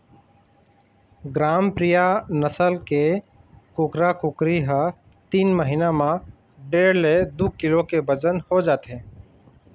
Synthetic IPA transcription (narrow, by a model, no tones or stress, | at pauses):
ɡɾaːmpɾijanəsəlke | kʊkɾakʊkɾiɦə | t̪iːnməɦinamã | ɖeːɽled̪ukɪlokebəd͡ʒənhod͡ʒaːt̪ẽː